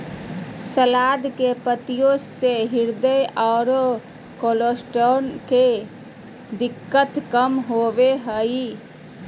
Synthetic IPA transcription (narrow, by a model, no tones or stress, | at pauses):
səlaːd̪kepət̪ijõseɦɪɾd̪əjʔɔːɾo | koːloːsʈoːnke | d̪ɪkːət̪kəmɦoʋeɦəi